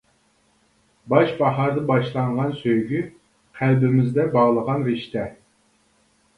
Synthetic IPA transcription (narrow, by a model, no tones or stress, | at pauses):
bɑʃbɑɦɑɾd̪ɨbɑʃlˠɑɴʁɑnsøjɡʲy | qʰælbɪmɪzd̪ɛbɑʁlˠəʁɑnɾɪʃt̪ɛ